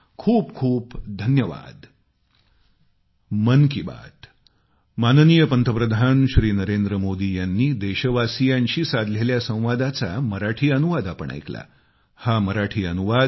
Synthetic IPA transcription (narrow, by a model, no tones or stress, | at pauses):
kʰuːpkʰuːpd̪ʱənjəʋa̰d̪ | mənkiba̰t̪ | mannijəpənt̪ʰəpɾəd̪ʱanɕɾiːnəɾend̪ɾəmod̪iːjanːiːd̪eɕəʋasijãɲɕiːsad̪leljasə̃w̃ʋad̪at͡saməɾaʈʰiːənuʋad̪apə̰ɳa̰jkla̰ | haməɾaʈʰiːənuʋad̪